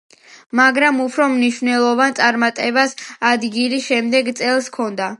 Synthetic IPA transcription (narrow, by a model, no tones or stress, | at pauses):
maɡɾamupʰɾɔmniʃvnɛlˠɔvant̪sʼaɾmat̪ʼɛbasad̪ɡiliʃɛmd̪ɛɡt̪sʼɛlˠskʰɔnd̪a